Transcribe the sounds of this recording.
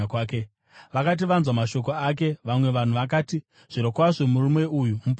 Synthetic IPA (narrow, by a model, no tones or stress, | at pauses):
kwːke | ʋakat̬iʋanzwamaʃo̞k̬o̞ak̬e̞ʋamwe̞ʋan̤uʋakaːti | ʐ̥iɾokwaʐo̞murumwe̞ujumup